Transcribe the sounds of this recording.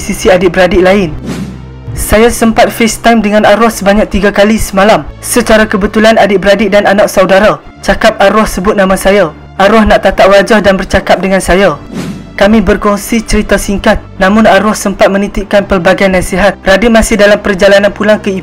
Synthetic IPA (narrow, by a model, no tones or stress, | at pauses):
sisiadɪbəɾadɪʔlaɪn | sajasəmpat̪̚fest̪ajmdəŋãnaɾɔhsəbaɲak̚t̪iɡakalisəmalamsət͡ʃaɾakəbət̪ulanadɪʔbəɾadɪʔ̚dananaʔk̚sawdaɾa | t͡ʃakap̚aɾɔhsəbʊt̪̚nãmãsaja | ʔaɾɔhnaʔt̪at̪aʔwad͡ʒahdanbərt͡ʃakap̚dəŋãnsajakamĩbərkɔŋsit͡ʃəɾit̪asiŋkat̪̚nãmʊ̃naɾɔhsəmpat̪̚mə̃nit̪ikanpərbaɡanasiɦat̪̚radimãsɪhdalampərd͡ʒalanãnpulaŋkəi